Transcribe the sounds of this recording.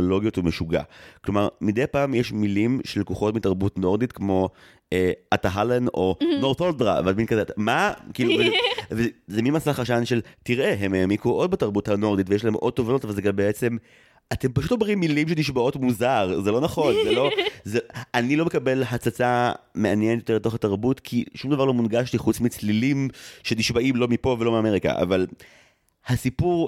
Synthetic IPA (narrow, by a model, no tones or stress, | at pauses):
olo̞ɡijo̞tumeʃuɡa̰klomaʁmidejpaːmjeʃmilimʃelkuχo̞tmitaʁbutno̞ʁditkmo̞ | eʔataɦaleno̞no̞ʁt̪oldʁa̰veadminkazemakiːluvevezeminmasaχaʃanʃe̞ltiʁʔe̞ɦemejamikuʔo̞d̚bataʁbuthano̞ʁditvejeʃlae̞mʔo̞d̚tovano̞tavalzeɡambeet͡se̞m | ate̞mpaʃutomʁimːilimʃeniʃbao̞tmuzaʁzelo̞naχo̞nzelo̞zeanilo̞me̞kabe̞lɦat͡sat͡same̞anjenetjote̞beto̞χataʁbutkʰiʃumd̪avaʁlo̞munɡaʃtiχut͡smit͡slilimʃeniʃbaʔimlomipo̞velo̞miame̞ʁika̰ʔa̰val | hasipuʁ